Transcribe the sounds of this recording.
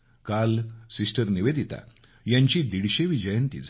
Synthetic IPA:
kalsisʈəɾniʋed̪ʱit̪a̰ | jaɲt͡ɕiːd̪iɽɕeʋid͡ʑəjənt̪ḭd͡z

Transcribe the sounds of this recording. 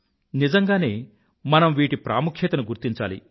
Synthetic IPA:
nid͡ʒɐŋɡaːne̞ː | mɐnɐmʋiːʈipɾaːmukʰeːt̪ɐnuɡuɾt̪iɲt͡ʃa̰ːlḭ

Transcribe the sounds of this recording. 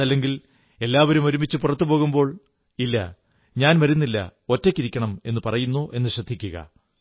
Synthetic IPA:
ɐlːe̞ŋɡil | e̞lːaːʋɐɾumo̞ɾumit͡ɕːɨpurɐt̪ːupo̞ːɣumbo̞ːɭ | ilːɐ | ɲaːnmɐɾunːilːɐ̰o̞tːekʲːiɾikʲːɐɳɐme̞nːɨpɐrɐjunːoʔe̞nːɨɕrɐd̪ʱːikʲːuɣɐ̰

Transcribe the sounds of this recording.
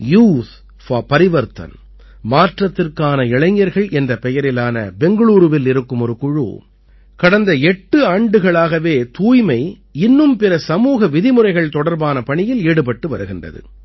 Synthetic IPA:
juːt̪ | faːpɐɾɪʋɐɾt̪ɐ̰n | maːʈrɐt̪ːɪrkaːnɐɪɭɐɪŋːɐɾɣɐɭʔɛndrɐpɛjɐɾɪlaːnɐ̰bɛŋɡɐɭuːɾɯʋɪlɪɾɯkːɯmɔɾɯkʊɻṵ | kɐɽɐnd̪ɐɛʈːɯaːɳɖɯɣɐɭaːɣɐʋeːt̪uːjmɐɪ | ɪnːɯmpɪɾɐsɐmuːɣɐʋɪðɪmɯrɐɪɣɐɭt̪ɔɽɐɾbaːnɐpɐɳɪjɪleːɽɯp̬ɐʈːɯʋɐɾɯɣɪndrɐ̰ðɯ̰

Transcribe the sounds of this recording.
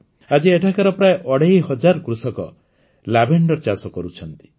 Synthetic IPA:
ad͡ʒieʈʰakaɾɔpɾaeʔɔɽejɦɔd͡ʒaɾkɾusɔkɔ̰ | labeɳɖɔɾt͡ʃasɔkɔɾut͡ʃʰɔnt̪i̥

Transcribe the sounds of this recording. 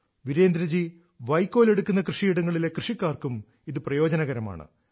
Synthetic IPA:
ʋiɾe̞ːnd̪ɾɐd͡ʑi | ʋɐjkːo̞ːle̞ɽukːunːɐkrɨʂijiɽɐŋːɐɭile̞krɨʂikːaːrkum | iðɨprɐjo̞ːd͡ʑɐnɐɣɐɾɐma̰ːɳɨ̰

